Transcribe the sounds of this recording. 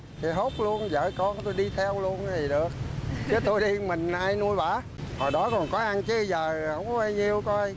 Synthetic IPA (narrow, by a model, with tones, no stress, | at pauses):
t̪ʰi˨˩ɦo˦˥p̚lu˧ənzə̰ː˧˨jkɔ˧n˦t̪o˧jɗi˧t̪ʰɛ˧wlu˧ənt̪ʰi˨˩ɗɨ˨˩ək̚t͡ɕɨ˨˦t̪o˧jɗi˧mï˨˩ŋ̟ʔaː˧jnu˧əjɓaː˧˩˦ | hɔ˨˩ɗɔ˨˦kɔ˨˩nkɔ˨˦ʔa˧nt͡ɕɨ˨˦zəː˨˩hə˧˥wŋ͡ma˧jɲi˧əwkɔ˧j